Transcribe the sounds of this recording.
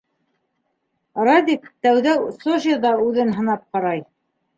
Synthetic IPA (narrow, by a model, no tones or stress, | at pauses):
rad̪ʲikt̪æwðæwsoʒiðɑʉðɘnɦɤ̆nɑp̚qɑɾɑj